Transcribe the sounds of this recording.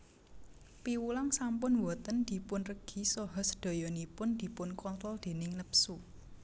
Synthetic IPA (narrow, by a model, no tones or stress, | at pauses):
piwulaŋsampʊnwɔt̪ənd̪̥i̤pʊnrəɡ̥i̤sɔɦɔsə̥d̪̥ɔ̤jɔnipʊnd̪̥i̤pʊnkɔnt̪ɾɔld̪̥e̤nɪŋnəpsu